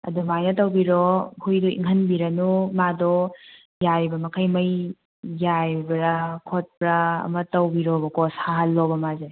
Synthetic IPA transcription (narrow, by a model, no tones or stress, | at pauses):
ɐ̰dumajnɐtɐwbiɾɔhujdɔḭŋɦɐnbiɾɐnumadɔ | jaɾibɐmɐkʰɐjmɐj | jajbɐɾakʰot̚pɾaɐ̰mɐtɐwbiɾɔbɐkɔshaɦalːɔbɐmazej